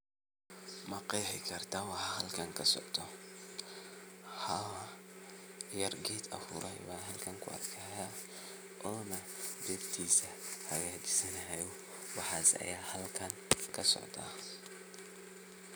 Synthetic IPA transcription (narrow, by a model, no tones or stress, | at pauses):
mɐqɛjħɪkʰɐrt̪ʰaːwɑħɑhɐlkʰɐŋkʰɐsɔ̰ʕt̪ʰɔ | hɐwɐ | jɐrɡɛːt̪ʰɐ̰fʊ̰ɾʔɔɪ̰βaːnɦɐlkʰɐŋkʰʊɐ̰d̪kʰɐhɛja | ʔɔːnɐ | d̪ɛbt̪ʰiːsɐhɐɣaːt͡ʃɪ̥sɐnɐɦɛjɔ | wɑħɑːsɐ̰jaːhɐlkʰɐŋkʰɐsɔ̰ʕt̪ʰa̰ː